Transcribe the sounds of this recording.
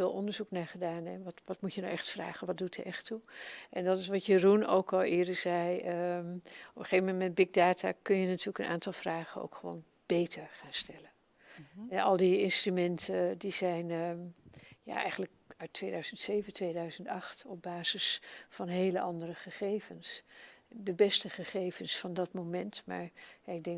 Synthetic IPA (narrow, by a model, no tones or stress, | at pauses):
ɪːlˠɔndəɹzuknaːχədaːnɛnʋɑtʋɑtmucəna̰wʔɛχtfra̰ːχənʋɑt̚dutəɛχtuʔɛndɑtɪs̬ʋɑtjəruno̰wkɑlˠɪːɹdəz̥ɛjə | ɔpəχejvəmɛntmɛndbɪɡ̚daːtaːkɵnjənatyːɹləkənʔa̰ːntɑlˠvraːχəno̰wkχəʋo̰wn | b̥ejtʰəɹχaːnstɛlən | ɛɑlˠdiɪnstrymɛntʰədizɛjn | ja̰ːʔɛ̰jχən̩ləkœɥtʰːʋejdœɥz̥əntsejvəntʋejdœɥzəntɑχtɔb̚baːzɪsfɑnɦejləʔɑndərəχəχejvəns | dəbɛstəχəχejvənsfɑndɑtmomɛntma̰ːɹjaɪɡ̚dɛŋ